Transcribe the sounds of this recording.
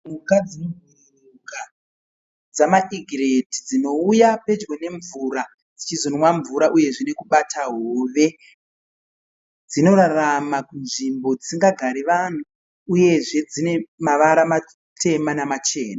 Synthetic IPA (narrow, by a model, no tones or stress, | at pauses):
mukad͡zibʱur | uka | d͡zamaʔiɡʱiredid͡zino̞ujape̞d͡ʒɡwene̞ɱvuɾa | d͡zit͡ʃizonwaɱvuɾaʔuje̞ʐinekuɓatʰaɦoːʋe̞ | d͡zino̞ɾaramakunʐimbo̞d͡zi̥siŋɡaɡʱaɾeʋan̤u | uje̞ʐe̞d͡zine̞maʋaɾama | tʰe̞manamat͡ʃe̞ːnaa